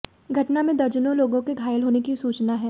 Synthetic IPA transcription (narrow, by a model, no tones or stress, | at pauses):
ɡʱɐʈnamẽd̪ɐɾd͡ʒənõloːɡõkeɡʱaːjəlɦoːnekisuːt͡ʃnaɦɛː